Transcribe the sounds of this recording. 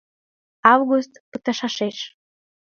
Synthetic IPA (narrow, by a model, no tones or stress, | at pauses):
ɑvɣust̪pət̪ɑʃɑʃeʃ